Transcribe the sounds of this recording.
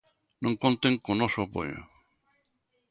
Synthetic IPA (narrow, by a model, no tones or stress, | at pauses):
nõŋkont̪eŋkonosopo̰ʎo̰